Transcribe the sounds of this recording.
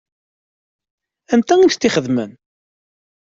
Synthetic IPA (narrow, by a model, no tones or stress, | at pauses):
ænt̪æit̪ːiχəðmən